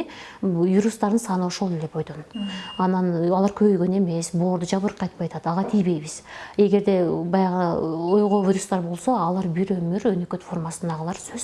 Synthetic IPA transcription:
juɾust̪ɑɾd̪ɨnsɑnɯo̞ʃo̞lˠe̞le̞bo̞jd̪o̞nɑnɑnɑlˠɑɾkʰøβøjɡø̞ne̞me̞sbo̞ːɾd̪ud͡ʒɑβɯɾqʰːɑjt̪̚pɑjɑt̪ɑt̪ɑlʁɑt̪ʰijβe̞jβiz̥e̞ɡe̞ɾd̪e̞bɑjɑʁojʁo̞vʲiɾust̪ɑɾbo̞lˠso̞ɑlˠɑɾbiɾømyɾønøkø̞t̪fo̞rmasɯnd̪ɑʁəlˠɑɾsøz̥

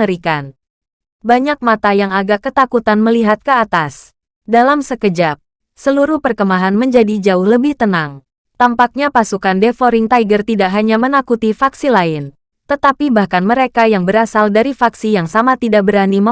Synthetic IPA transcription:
əɾikan | baɲak̚mat̪ajaŋaɡakət̪akut̪anməliɦat̪̚kəat̪as | dalamsəkəd͡ʒap̚ | səluɾuhpərkəmaɦanməɲd͡ʒadid͡ʒaʊhləbɪht̪ənaŋ | t̪ampak̚ɲapasukandefoɾɪŋt̪aiɡərt̪idaʔɦaɲamənakut̪ifaksilaɪn | t̪ət̪apibahkanməɾekajaŋbəɾasaldaɾifaksijaŋsamat̪idaʔ̚bəɾanimə

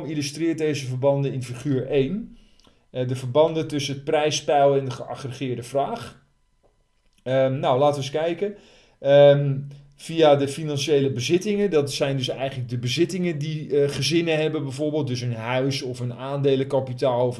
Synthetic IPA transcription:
milystrɪːt̚dejzəvəɹbɑndəɪnfiχyːɹejn | dəvəɹbɑndətɵsəət̚prɛjspɛwɛndəχəʔa̰χrəχɪːɹdəvraːχ | ənawlaːtəənskɛjkə | fijadəfinɑnʃejləbəzɪtɪŋədɑtsɛjndɵsɛjχənləɡ̚dəbəzɪtɪŋədiχəzɪnəɦɛbənbɛjvoːɹbeːlˠt̚døs̬ənɦœɥsɔfənaːndejləkapitaːlˠɔf

